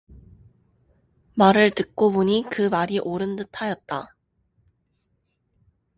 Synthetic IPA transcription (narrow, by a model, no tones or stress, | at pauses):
maɾɯɭtɯk̚k͈oboɲikɯmaɾiʔoɾɯndɯtʰajʌt̚t͈a